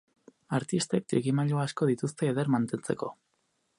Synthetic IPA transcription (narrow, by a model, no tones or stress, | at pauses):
aɾt̪ist̪e̞k̚t̪ɾiɣimaʎoasko̞ð̞it̪ust̪e̞ːðeɾmant̪e̞nt͡se̞ko̞